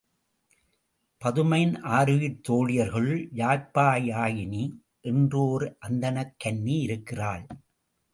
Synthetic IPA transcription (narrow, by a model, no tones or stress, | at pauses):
pɐðɯmɐɪnʔaːɾɯʋɪɾt̪ːoːɻɪjɐɾɣɐɭjaːɾpːaːjaːjɪni | ʔɛndroːɾʔɐnd̪ɐnɐkːɐnːiɪɾɯkːɪraːɭ